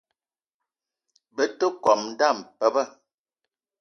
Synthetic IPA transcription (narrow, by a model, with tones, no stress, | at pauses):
bə˦tə˦kɔ˨mn̩˦da˦˨mpə˦bə˦˨